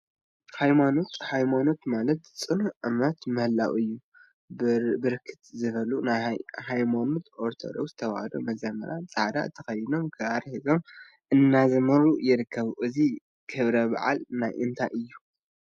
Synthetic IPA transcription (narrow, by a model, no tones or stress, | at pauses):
hajmano̞t̪hajmano̞t̪malɐt̪t͡sʼɨnuʕɨmɐt̪mɐhlːa̰wɨjːu | bɨɾkʰɨ̥t̪zɨβɐlunajhajmanot̪ʔoɾt̪ʰo̰d̪o̞̰kst̪ʰɐwa̰hɐd̪o̰mɐzɐmɐ̰ɾat͡sʼad̪a̰t̪ʰɐxɐjɪno̞mkʰɨaɾhizo̞m | ʔɨnːazɐmɐɾujɪɾɨkʰːɐβʔɨzi | kʰɨβɾɐba̰ʕa̰lnajʔɨnt̪ʰa̰ʔɨjːu